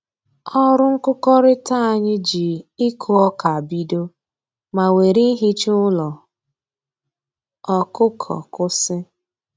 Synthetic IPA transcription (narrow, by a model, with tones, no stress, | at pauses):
ɔ˦ɾʊ˦ŋ̩˦kʊ˦kɔ˦ɾɪ˦ta˦a˨ɲɪ˦d͡ʒi˨ɪ˦kʰʊ˨ɔ˦ka˨a˨bi˦do˦ | ma˨we˨ɾi˦ɦi˦t͡ʃʊ˦lɔ˨ | ɔ˨kʊ˦kʰɔ̰˨kʊ˦sɪ˦